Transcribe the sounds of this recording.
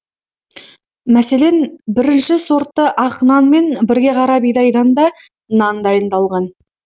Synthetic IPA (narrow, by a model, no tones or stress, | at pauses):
mæse̞le̞nbɪɾɪnʃɪso̞ɾt̪ːəʔɑqnɑnme̞nbɪɾɡʲe̞qʰɑɾɑbijd̪ɑjd̪ɑnd̪ɑ | nɑnd̪ɑjənd̪ɑlˠʁɑn